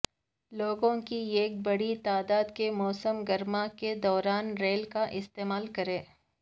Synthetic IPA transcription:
loːɡõkieːk̚bɐɽit̪aːd̪aːd̪kemɔːsəmɡɐɾmaked̪ɔːɾaːnɾeːlkaʔɪst̪eːmaːlkɐɾẽː

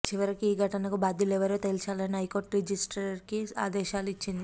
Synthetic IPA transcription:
t͡ʃiʋɐɾikiiːɡʱɐʈɐnɐkubaːd̪ʱilɛʋɐɾeːt̪elit͡ʃaːlɐniɦɐjko̞ːɾʈɾed͡ʒisʈɐɾkia̰ːd̪ɛːʃaːluit͡ʃːind̪i

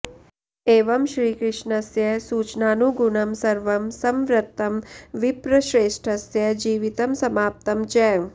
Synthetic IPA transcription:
eːʋɐmʃɾiːkɾɪʂɳɐsjɐsuːt͡ʃnaːnuɡunɐmsɐɾʋɐmsɐmʋɾɐt̪ːɐmʋipɾɐʃɾeːʂʈʰɐsjɐd͡ʒiːʋit̪ɐmsɐmaːp̚t̪ɐmt͡ʃɛ

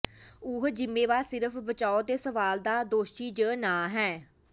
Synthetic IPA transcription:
ʊɦd͡ʒɪmːẽːʋaːsɪɾəfbət͡ʃaːod̪eːsəʋaːld̪aːd̪oːʃiːd͡ʒəːnãːɦɛː

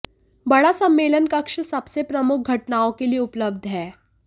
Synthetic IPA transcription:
bəɽasəmːelənkəkʂəsəpsepɾəmuk̚ʰɡʱəʈnaõkeliːupləb̚d̪ʱɦɛ

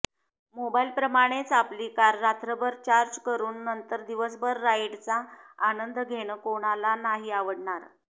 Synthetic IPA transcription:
mobailpɾəmaɽ̃et͡saplikaɾːat̪ɾəbəɾt͡ɕaɾd͡ʑkəɾuːnːənt̪əɾd̪iʋəsbʱəɾːaiʈt͡saːnənd̪ɡʱeɽ̃əkoɽ̃alanaɦiːaʋəɽɳaɾ

